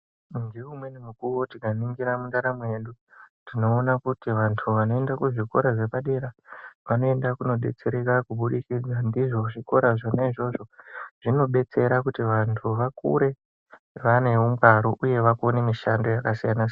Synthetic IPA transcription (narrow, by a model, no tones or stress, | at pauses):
ndiumwenimukuwotiɡaniŋɡiɾamundaɾame̞ɗu | dino̞ːnakutiʋantʰuʋano̞e̞ndakuʐiko̞ɾaʐe̞paɗe̞ɾaʋano̞e̞ndakuno̞ɓe̞̰t͡se̞ɾe̞kakuɓuɗikid͡zandiʐo̞ʐiko̞ɾaʐonaiʐo̞ʐo̞ʐ̥ino̞ɓe̞t͡se̞ɾakutiʋantʰuʋakṵɾe̞ | ʋane̞wuŋɡaɾoʔuje̞ʋakonemiʃando̞jakasijana